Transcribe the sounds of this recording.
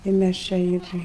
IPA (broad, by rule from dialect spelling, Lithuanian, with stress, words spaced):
ɪr ˈmʲæs t͡ʃʲɛ ˈɪr